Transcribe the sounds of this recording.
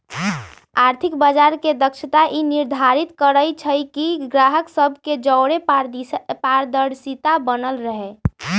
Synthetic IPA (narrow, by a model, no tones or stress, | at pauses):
aɾt̪ʰikbad͡ʒaɾked̪əkt͡ʃʰət̪aʔiniɾd̪ʱaɾit̪kəɾəjt͡ʃʰəjkiɡɾaɦəksəbʱked͡ʒəʊɽe | paɾd̪əɽsit̪abənəlɾəɦɛ